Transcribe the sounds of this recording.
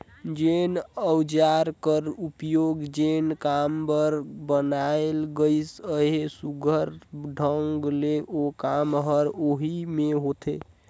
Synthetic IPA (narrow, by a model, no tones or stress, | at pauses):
d͡ʒenəwd͡ʒaɾkəɾupjoɡd͡ʒenkambəɾbənaelɡəɪsəɦesuɡʱəɾɖʱəŋɡleʔokamɦəɾoɦimeɦot̪ʰe